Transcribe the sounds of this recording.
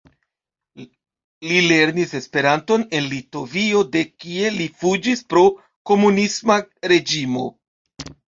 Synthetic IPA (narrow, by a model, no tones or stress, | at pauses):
lile̞ɾnise̞spe̞ɾanto̞ne̞nlito̞vio̞de̞kie̞lifud͡ʒispɾo̞ | ko̞munismaɾe̞d͡ʒimo̞̰